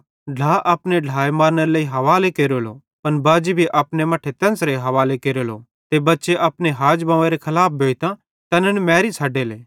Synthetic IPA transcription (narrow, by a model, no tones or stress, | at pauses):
ɖʱaːʔɐːpneɖʱaːemaːɾnəɾeleːiɦɐʋaːlekeːɾolo | pɐnbaːd͡ʒibʱiʔaːpnemaːʈʰet̪ɐ̃nsɾeɦɐʋaːlekeːɾolo | t̪ebɐtːʃeʔaːpneɦaːd͡ʒbɐ̃ʋẽɾekʰɐlaːp̚ʰbʱoːit̪ã | t̪ɐnənmɛːɾit͡sʰaːɖeleː